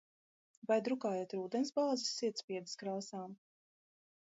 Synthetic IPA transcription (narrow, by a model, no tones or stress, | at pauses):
vajd̪ɾukaːjɛt̪ɾuːd̪ɛnsbaːzisːiɛt̪spʲiɛd̪iskɾaːsaːm